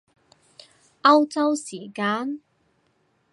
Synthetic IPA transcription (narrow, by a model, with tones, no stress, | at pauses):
ʔɐ˥wt͡sɐ˥wsiː˨˩kaː˧˥n